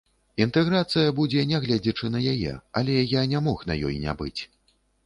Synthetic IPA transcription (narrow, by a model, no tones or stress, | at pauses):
int̪ɛɣɾat̪sɨjɐbud͡zʲɛnʲɛɣlʲad͡zʲit͡ʂɨnɐjajɛ̰ɐ̰lʲɛjanʲɛmɔxnɐjɔ̰jnʲa̰bɨt͡sʲ